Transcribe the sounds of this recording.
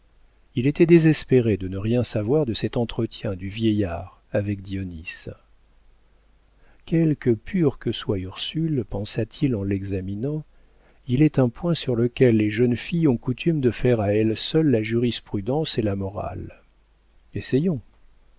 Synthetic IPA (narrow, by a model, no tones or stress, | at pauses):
ilet̪ɛd̪ezɛspeʁed̪ənəʁjɛ̃savwaʁd̪əsɛt̪ɑ̃t̪χət̪jɛ̃d̪yvjɛjaːʁ | avɛk̚d̪iɔnis | kʲɛlkəpʰyʁkəswayʁsylpɑ̃sat̪ʰilɑ̃lɛɡzaminɑ̃ | ilɛt̪ɛ̃pwɛ̃syʁləkʲɛlːeʒənfijɔ̃kut̪ʰymd̪əfɛʁaɛlsœlːaʒyʁispχyd̪ɑ̃selamɔʁa̰l | esɛjɔ̃